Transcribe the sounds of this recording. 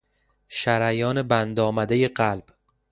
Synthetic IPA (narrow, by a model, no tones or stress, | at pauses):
ʃæɾæjɒːne̞bænd̪ɒːmæd̪eje̞ɢælb̥